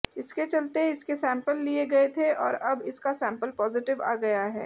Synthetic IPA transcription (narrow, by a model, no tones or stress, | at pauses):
ɪsket͡ʃɐlt̪eɪskesɛ̃ːmpəlːieɡɐet̪ʰeɔːɾɐbɪskasɛ̃ːmpəlpɔːzɪʈɪʋa̰ːɡɐjaɦɛ̰ː